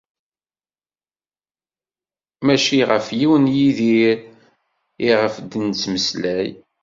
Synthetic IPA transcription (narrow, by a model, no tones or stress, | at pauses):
mæʃiʁəfjiwənjiðiɾ | iʁəfd̪ənt͡sːməslæj